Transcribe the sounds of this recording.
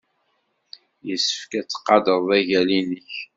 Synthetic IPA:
jəsːə̥fkæt͡sːə̥qːɑd̪əðˤæʝælinəç

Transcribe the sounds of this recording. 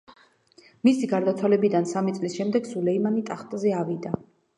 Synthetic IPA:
misiɡaɾd̪at̪sʰwalɛbid̪ansamit̪sʼlisʃɛmd̪ɛɡsulɛimanit̪ʼaχt̪ʼzɛavid̪a

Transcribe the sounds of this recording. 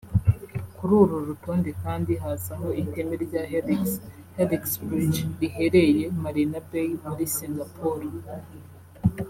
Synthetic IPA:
kuɾuɾuɾutoːndikaːndiɦasaŋɡoʔite̞meɾɟa | heɾiksbɾit͡ʃɾihe̞ɾe̞je̞maɾinabejmuɾisiŋɡapʰoɾo

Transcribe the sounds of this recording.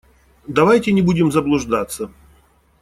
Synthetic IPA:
d̪ɐvajtʲɪnʲɪbudʲɪmzəblˠʊʐd̪at̪sːə

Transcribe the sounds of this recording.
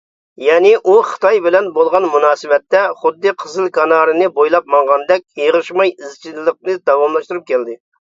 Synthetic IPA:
jɛːnɪʔuχə̥t̪ɑjbɪlɛnbolˠʁɑnmunɑːsɨwɛt̪ːɛχʊd̪ːɨqʰəzɨlˠkʰɑnɑːɾɨnɨbojlˠɑp̚mɑŋʁɑnd̪ɛk̚ʲjeʁəʃmɑjizt͡ʃʰilːˠəq̚nɨd̪ɑwɑmlˠɑʃt̪uɾup̚kʲʰɛld̪ɪ

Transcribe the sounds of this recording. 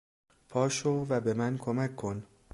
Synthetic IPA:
pʰɒːʃovæbe̞mænkʰomækʰːo̞n

